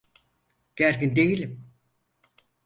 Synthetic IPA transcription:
ɡ̥æɾkʲind̪ejilʲim

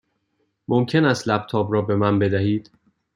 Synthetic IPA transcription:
momcʰe̞næst̪læb̥̚t̪ʰɒːbɾɒːbe̞mænbe̞d̪æhiːd̪̥

